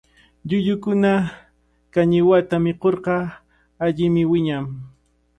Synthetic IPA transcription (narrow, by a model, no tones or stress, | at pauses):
ʎʊʎʊkʊna | kaɲɪwat̪amɪqoɾqɑ | aʎɪmɪwɪɲam